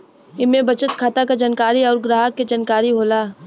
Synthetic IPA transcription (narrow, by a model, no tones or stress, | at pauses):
ɪmẽbɐt͡ʃət̪kʰaːt̪akad͡ʒɐnkaːɾiɔːɾɡɾaːɦəkːed͡ʒɐnkaːɾiɦoːlaː